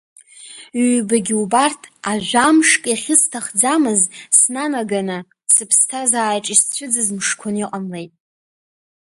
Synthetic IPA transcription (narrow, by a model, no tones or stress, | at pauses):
ɥɥbaɡʲiubartʰaʒʷᶣamʂkʼjaχʲɪstʰaχd͡zamɨzsnanaɡanɨ | sɨpʰstʰazaːjʈ͡ʂʼist͡ɕʷʰʊd͡zɨzmʂkʷʰʊniqʼamle̞jtʼ